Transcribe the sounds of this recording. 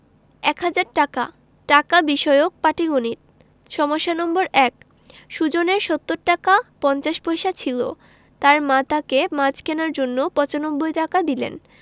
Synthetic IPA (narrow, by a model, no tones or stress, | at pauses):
ɛkɦad͡ʑaɾʈaka̰ | ʈakabiʃɔeok̚paʈiɡoniɾ | ʃɔmoʃːanɔmboɾɛk | ʃud͡ʑoneɾʃɔt̪ːoɾʈːakapɔnt͡ɕaʃbɔjʃat͡ɕʰilo̰ | t̪aɾmãt̪akemat͡ɕkenaɾd͡ʑonːopɔt͡ɕanobːojʈakad̪ilḛn